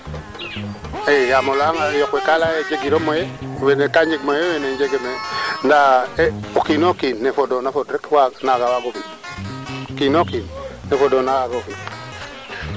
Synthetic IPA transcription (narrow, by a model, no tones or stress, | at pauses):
ejamolaŋajɔkwekalajed͡ʒeɡiɾomojewenekaɲd͡ʒikmojeweneɲd͡ʒeɡemendaokinokinːefodonafodɾɛkwanaɡawaɡoki | okinokinːefodonawaɡoki